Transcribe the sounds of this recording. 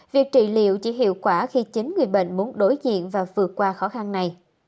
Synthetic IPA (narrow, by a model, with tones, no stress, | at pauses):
vi˨˩ək̚t͡ɕḭ˧˨lḭ˧˨əwt͡ɕi˧˩ɦḭ˧˨əwkwaː˧˩xi˧t͡ɕi˨˦ŋŋɨ˨˩əjɓə̰˧˨nmu˨˦ənɗo˨˦jzḭ˧˨ənvaː˨˩vɨ˨˩ət̚kwaː˧xɔ˨˦xa˧nna˨˩j